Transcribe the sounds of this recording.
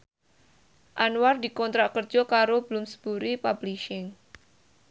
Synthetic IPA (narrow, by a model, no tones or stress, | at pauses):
ʔanward̪ikɔnt̪ɾaʔkərd͡ʒɔkaɾob̥əlʊmsə̥b̥uɾipabliʃɪŋ